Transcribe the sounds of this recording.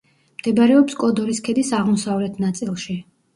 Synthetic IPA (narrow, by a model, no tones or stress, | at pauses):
md̪̥ɛbaɾɛɔpskʼɔd̪ɔɾiskʰɛd̪isaʁmɔsavlɛt̪ʰnat̪sʼilˠʃi